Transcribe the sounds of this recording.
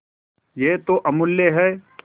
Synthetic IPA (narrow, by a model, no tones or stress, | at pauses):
jeːt̪oʔɐmʊlːeɦɛː